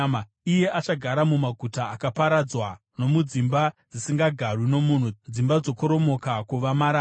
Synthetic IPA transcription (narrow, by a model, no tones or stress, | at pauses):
ma | ije̞ʔat͡ʃaɡʱaɾamumaɡʱutaːkapaɾad͡zwa | no̞mud͡zimbad͡zisiŋɡaɡʱarwino̞mun̤ud͡zimbad͡zo̞koɾo̞mo̞kakuʋamaɾa